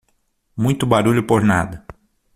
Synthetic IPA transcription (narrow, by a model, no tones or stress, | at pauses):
mũj̃t̪ʊbaɾuʎʊpoɾna̰d̪ɐ